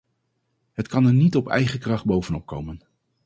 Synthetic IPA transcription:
ɦətkɑnɛɹnitɔpɛ̰jχəkrɑχd̚bowvənɔp̚kowmən

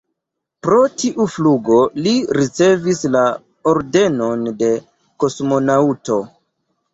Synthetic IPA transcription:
pɾo̞tiʔufluɡo̞liɾit͡se̞visla | oɾde̞no̞nde̞ | ko̞smo̞nauto̞

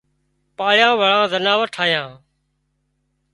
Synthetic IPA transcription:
paːɭjãːʋəɭãːzənaːʋəʈʰaːjãː

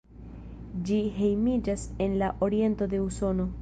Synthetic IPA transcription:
d͡ʒiɦe̞jmid͡ʒase̞nlaʔo̞ɾie̞nto̞de̞uso̞no̞

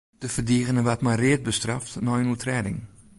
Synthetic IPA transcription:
d̥əfədiːɣənəʋatmarɪət̚bəstraftnɔjənutʰrɛːdɪ̰ŋ

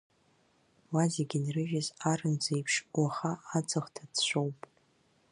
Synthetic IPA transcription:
wazeɡʲɪnrɨʒᶣɪzarɨnd͡zejpʰʂwaχaːd͡zɨχtʰadʃʷowpʼ

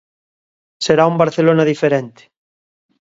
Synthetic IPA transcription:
seɾaumbaɾθelonaðifeɾent̪e̥

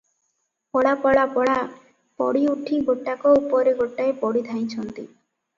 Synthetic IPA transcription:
pɔɽapɔɽapɔɽa | pɔ̰ɽiuʈʰiɡoʈːakɔupɔɾeɡoʈːaepɔɽid̪ʱaj̃t͡ʃʰɔnt̪ḭ

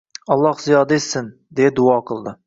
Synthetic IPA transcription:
ɒlˠːɑhzijɑːd̪aesːɪn | d̪ejad̪ʊɑqʰɨlˠd̪ɪ

